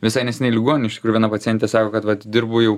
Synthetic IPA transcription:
ʋʲɪsɐɪnʲɛsʲɛnʲɛɪlʲɪɡoɔnʲnʲɛɪʃt̪ʲkɾujuʋʲɛnɐpɐtt͡s̪ʲɪjɛnʲt̪ʲeɛsɑːkoːkɐt̪ʋɐt̪d̪ʲɪɾbʊjɛʊ

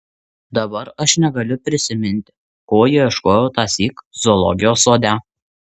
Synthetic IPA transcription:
d̪ɐbɐɾɐʃnʲɛɡɐlʲʊpʲɾʲɪsʲɪmʲɪnʲt̪ʲ | koːjiʃkoːjɛʊt̪ɑːsʲiːkzɔlˠɔ̰ɡʲɪjoːsoːd̪ʲæ

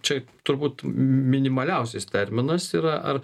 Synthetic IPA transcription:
t͡ʃʲɛt̪ʊɾbuːt̪mʲɪnʲɪmɐlʲɛʊsʲɪst̪ʲɛɾʲmʲɪnɐsiːɾɐʔɐ̰r

